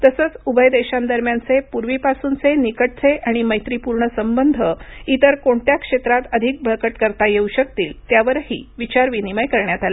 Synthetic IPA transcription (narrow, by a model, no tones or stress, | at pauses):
t̪əsəːt͡subʱəjd̪eɕand̪əɾmjant͡sepuɾʋipasuːnt͡senikəʈ̚t͡sʰeʔaɽ̃iməjt̪ɾipuɾɳəsəmbənd̪ʱəit̪əɾkoɳt̪jakʂet̪ɾat̪əd̪ʱik̚bʱəɭkəʈkəɾt̪ajeuɕək̚t̪iːlt̪jaʋəɾhḭːʋit͡ɕaɾʋiniməjkəɾɳjat̪ala